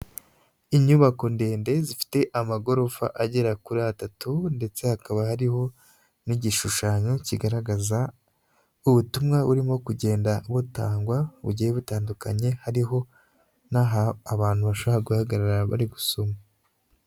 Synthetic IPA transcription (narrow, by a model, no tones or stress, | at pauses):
iɲuβako̞nde̞ːnde̞zifi̥te̞ʔamaɡo̞ɾo̞fa̰ʔaɟeɾakuɾatatunde̞t͡se̞hakaβahaɾiho̞ | niɟiʃuʃaɲo̞ciɡaɾaɡaza | uβutumŋaβuɾimo̞kuɟe̞ːndaβutaːŋɡwaβṵɟiheβutaːndukaɲe̞haɾiɦo̞ | naɦaːβaːn̥huβaʃoβaaɡuhaɡaɾaɾaβa̰ɾiɡusoma